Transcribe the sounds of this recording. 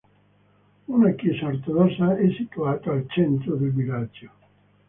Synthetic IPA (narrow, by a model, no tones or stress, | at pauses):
unakjɛsaort̪od̪ɔsːaɛsːit̪uaːt̪aːlt͡ʃɛnt̪ɾod̪elvilad͡ʒo